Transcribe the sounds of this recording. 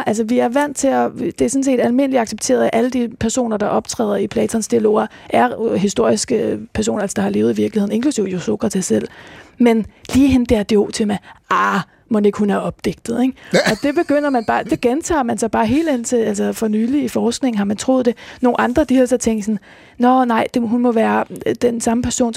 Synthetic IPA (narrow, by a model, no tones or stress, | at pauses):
ʔælsəʋiæɐʋæn̰t͡sʰe̝ɒd̥e̝æɐsɔ̽ns̬e̝̰ːd̥ælme̝n̰liɑ̈ɡ̥seb̥̚t͡sʰe̝̰ːɐðˠæʔæləd̥ipʰæɐso̝̰ːnɐd̥ɑ̈ʔɒ̽b̥t͡sʰʁɛ̰ːðˠipʰlɛːt͡sʰɒnsd̥iælo̝̰ːɐʔæɐɦisd̥o̝ɐ̰isɡ̥əpʰæɐso̝̰ːnɐælsə̥d̥ɑ̈hɑ̈le̝ːʊð̩ˠiʋiɐɡ̥lihe̝ð̰ˠn̩e̝ŋkʰlusiʊ̰joso̝ɡ̥ʰʁɑt͡sʰesel̰menliːhend̥eæɐd̥eo̝̰ːt͡sʰe̝mæɑː | mɒ̽ne̝ɡ̥hunæɐɒ̽b̥̚d̥eɡ̥d̥ð̩ˠeŋɒ̽d̥e̝b̥e̝ɡ̥øn̰ɐmænb̥ɑ̈ːd̥e̝ɡ̥ent͡sʰɑ̰̈ːmænsɑ̈ɪb̥ɑ̈ːɦe̝̰ːld̥en̰t͡sʰe̝ælsɐfɒ̽nyːliːfɒːsɡ̥ne̝ŋn̩ɦɑ̈mænt͡sʰʁo̝ðˠd̥e̝no̝ːnɑ̈nd̥ʁɐd̥ihæsɒ̽t͡sʰeŋ̰d̥sɒ̽n | nɒnɑ̈ɪ̰d̥e̝ɦunmɒ̽ʋæːɐd̥ensɑ̈məpʰæɐso̝̰ːn